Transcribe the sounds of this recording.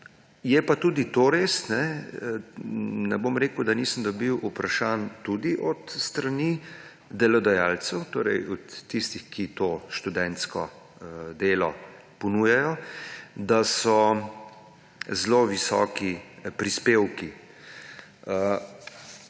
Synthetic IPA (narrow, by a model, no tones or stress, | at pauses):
jɛpat̪uːd̪it̪oːɾesnɛ | nɛbomɾeːkʊd̪aniːsəmd̪ɔbiwʔupɾaʃaːnt̪ud̪iʔɔt̪st̪ɾani | d̪ɛlɔd̪ajaːlt̪sɛwt̪oːɾɛjɔt̪ːist̪ixkit̪oːʃt̪ud̪ɛnt̪skɔ̰ | d̪eːlɔ | pɔnuːjajɔd̪asɔ | zloʋisɔ̰kipɾispeːwki | ə